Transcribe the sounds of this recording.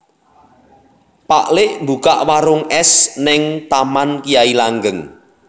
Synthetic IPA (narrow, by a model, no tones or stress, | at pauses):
pa̰ʔlɪʔmbukaʔwaɾʊŋɛsnɪŋt̪amankijailaŋɡəŋ